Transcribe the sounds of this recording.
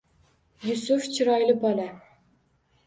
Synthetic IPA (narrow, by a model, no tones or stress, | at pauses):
jusuft͡ʃʰɨɾɑjlˠɯbɑla